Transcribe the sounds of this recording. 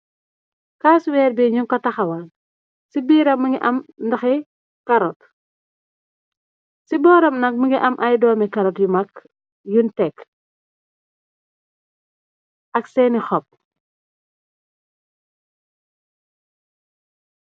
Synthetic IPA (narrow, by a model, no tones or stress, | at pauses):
kaːswɛːɾbiɲuŋkɔtɐxɐwɐn | sibiːɾɐməŋɡiʔɐmndɐxɛ | kɐɾɔt | sibɔːɾɐmnɐk̚məŋɡiʔɐmʔɐjdɔːmɛkɐɾɔtjumɐk | juntɛk | ʔɐksɛnixɔp̚